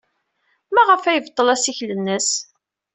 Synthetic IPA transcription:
mæʁəfæjəvt̪ˤːəlæsiçlənːəs

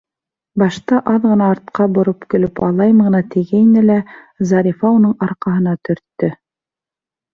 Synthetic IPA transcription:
bɑʃt̪ɑʔɑðʁɤ̆nɑːɾt̪̚qɑbŏɾopkɵ̆lɵpɑlˠɑjmɤ̆ʁɤ̆nɑt̪ɘ̆ɡæinɘlæ | zɑɾʲifɑunɤɴɑɾqɑɦɤ̆n̪ɑt̪ɵ̆ɾt̪ːɵ

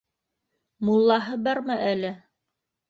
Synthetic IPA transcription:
mulˠːɑɦɤbɑɾmɤʔælɘ

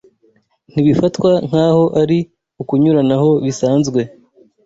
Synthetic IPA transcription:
n̥iβifatkwaŋ̥haːho̞ʔaɾi | ukuɲuɾanaho̞βisaːnzɡwe̞

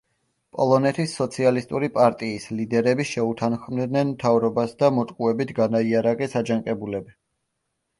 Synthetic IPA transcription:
pʼɔ̰lˠɔnɛt̪ʰisːɔt̪sʰialist̪ʼuɾipʼaɾt̪ʼiːslid̪ɛɾɛbiʃɛut̪ʰanχmd̪nɛnmt̪ʰavɾɔbasd̪amɔt̪ʼqʼuɛbit̪ʰɡanaiaɾaqʼɛsad͡ʒaŋqʼɛbulɛbi

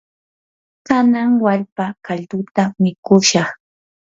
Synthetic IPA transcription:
kanaŋwaʎpakaʎt̪ʊt̪amɪkʊʃɑχ

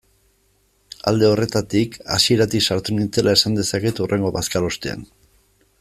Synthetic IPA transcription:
a̰ld̪e̞o̞re̞t̪at̪ika̰sie̞ɾat̪isaɾt̪unint͡se̞lae̞sand̪e̞sake̞t̪urʔe̞ŋɡo̞βaskalost̪ea̰n

